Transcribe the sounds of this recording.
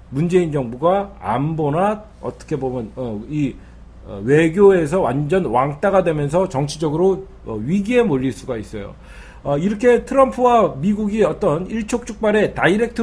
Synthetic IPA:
mund͡ʑe̞ind͡ʑʌŋbuɡaa̰mbona | ʌ̰t͈ʌ̥kʰe̞bomjʌnʌi | we̞ɡjoe̞s̬ʰʌwand͡ʑʌnwaŋt͈aɡadwe̞mjʌns̬ʰʌt͡ɕʌŋt͡ɕʰid͡ʑʌɡɯɾo | ʌɥiɡiɦe̞moʎːiɭs͈uɡais͈ʌjo̰ | ʌiɾʌkʰe̞tʰɯɾʌmpʰuwamiɡuɡiʌt͈ʌniɭt͡ɕʰok̚t͡ɕ͈uk̚p͈aɾe̞taiɾe̞k̚tʰ

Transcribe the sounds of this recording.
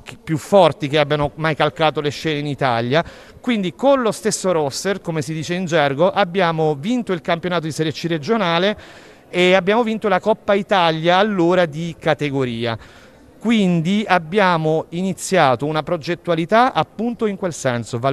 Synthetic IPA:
kpːjufːɔrt̪ikeabːjanomajkalkaːt̪oleʃːɛːneinit̪a̰lja | kwind̪ikonlost̪esːoɾɔsːerkomesid̪iːt͡ʃeind͡ʒɛrɡoʔabːjaːmovint̪oilkampjonaːt̪̬od̪iseɾet͡ʃːired͡ʒonaːle | eabːjaːmovint̪olakɔpːait̪aljaːlːoːɾad̪ikat̪eɡoɾiːa̰ | kwind̪iabːjaːmoinit̪sːjaːt̪ounapɾod͡ʒet̪ːualit̪aʔapːunt̪oiŋkwelsɛnsova

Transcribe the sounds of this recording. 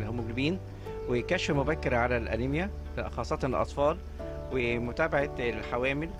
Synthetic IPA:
lhomːoɡlbiːn | wejkæʃːefmobækːɪɾʕalælʔæ̰limjæ | xɑːsˤːɑt̪ˤɑnelʔɑ̰t̪ˤfɑːl | wemʊt̪æːbaʕalħawæːmɪl

